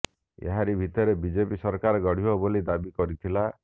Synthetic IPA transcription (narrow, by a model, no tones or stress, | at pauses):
ḛɦaɾibʱit̪ɔɾebid͡ʒepisɔɾkaɾɔɡɔɽ̤ibɔbolid̪abikɔɾit̪ʰila